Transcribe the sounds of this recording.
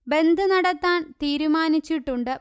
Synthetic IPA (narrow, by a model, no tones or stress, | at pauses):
be̞nd̪ʱɨnɐɽɐt̪ːaːɳt̪iːɾumaːnit͡ɕːiʈːuɳɖɨ